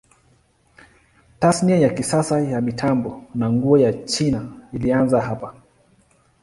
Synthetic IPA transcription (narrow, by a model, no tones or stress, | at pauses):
tasniajakisasajamitʰambɔnaŋɡuɔjat͡ʃinailianzaɦapa